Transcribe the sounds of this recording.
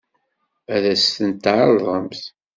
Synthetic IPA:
æðæst̪ənt̪ːʕɑɾðˤəmθ

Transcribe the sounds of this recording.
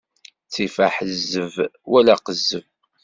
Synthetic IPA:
t͡sːifaħəzːəvwælæqəzːəv

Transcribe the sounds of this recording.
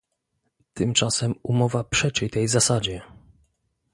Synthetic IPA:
t̪ɘmt͡ʂasɛmumɔvapʂɛt͡ʂɛjt̪ɛjzasad͡ʑɛ

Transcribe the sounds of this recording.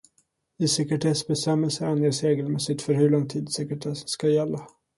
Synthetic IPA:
ɪsɛkɛʈʰɛsbɛst̪ɛmɛlsəanjeːsɾeːɡəlmɛsɪt̪fœɾɦɵɭɔŋːt̪ʰiːd̪sɛkɾɛʈ̪ʰɛsskajɛlːa

